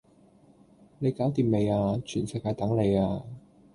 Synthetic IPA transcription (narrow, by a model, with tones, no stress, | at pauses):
ne˨˧jkaː˨˥wt̪iː˨˩mme˨˧jaː˧t͡ʃʰyː˨˩nsɛ˨˧jkaː˧jt̪ɐ˨˥ŋle˨˧jaː˧